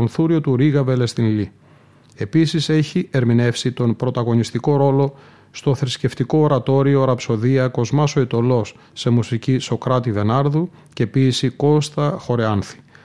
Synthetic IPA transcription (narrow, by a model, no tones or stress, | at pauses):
onθuɾio̞t̪uɾiɣɐve̞le̞st̪inli | e̞pisise̞çie̞ɾmine̞fsit̪o̞npɾo̞t̪ɐɣo̞nist̪iko̞ɾo̞lo̞ | st̪o̞θɾisce̞ft̪iko̞ːɾɐt̪o̞ɾio̞ɾɐpso̞ðiɐko̞zmɐso̞it̪o̞lo̞sːe̞musiciso̞kɾɐt̪iðe̞nɐɾðu | ce̞piesiko̞st̪ɐxo̞ɾeɐnθi̥